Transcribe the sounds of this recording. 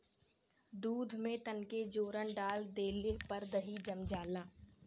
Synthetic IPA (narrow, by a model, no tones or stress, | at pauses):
d̪uːd̪ʱmẽt̪ənked͡ʒoːɾənɖaːld̪eːlepəɾd̪əɦid͡ʒəmd͡ʒaːlaː